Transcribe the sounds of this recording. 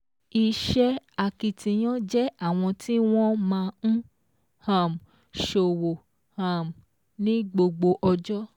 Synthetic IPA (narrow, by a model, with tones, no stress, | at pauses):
i˧ʃɛ˦a˨ki˧tĩ˧j̃ã˦d͡ʒɛ˦a˦˨w̃ɔ̃˧ti˦w̃ɔ̃˦mãː˧ñ̩˦ | hã˨m | ʃo˨wo˨ | hã˨m | nĩ˦ɡ͡bo˧ɡ͡bo˧ʔɔ˧d͡ʒɔ˦